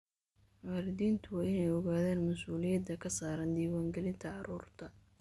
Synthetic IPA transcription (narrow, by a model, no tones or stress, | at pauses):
wɑːɾɪðiːnt̪ʰʊwaːɪnɛjɔɣaːðɛːnmɐsuːlɪjɐd̪ːɐkʰɐsaːɾɐnd̪iːwaːŋɡɛlɪnt̪ʰɐɑɾuːrt̪ʰɐ